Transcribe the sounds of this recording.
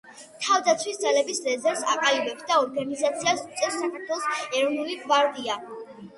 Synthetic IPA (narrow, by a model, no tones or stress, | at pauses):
t̪ʰavd̪at̪sʰwisd̪zalɛbislɛzɛɾsa̰qʼalibɛpsd̪aɔɾɡanizat̪sʰiasut̪sʼɛsːakʰaɾt̪ʰwɛlˠɔsɛɾɔvnuliɡvaɾd̪ia